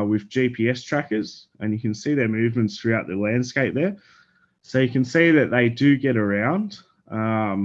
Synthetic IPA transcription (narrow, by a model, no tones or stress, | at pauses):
wɪðd͡ʒipʰiɛstʰɹ̥ækə˞z̥ | ɨ̃njɨkɨ̃nsiðə˞mʉvmɨ̃ntsθɹʉaʊt̪̚ðɨlæ̃nd̥skeɪp̚ðə˞ | soʊjɨkɨ̃nsiðɨt̪̚ðeɪdɨɡɛɾə˞ãʊ̃nd̥ | ʌ̃m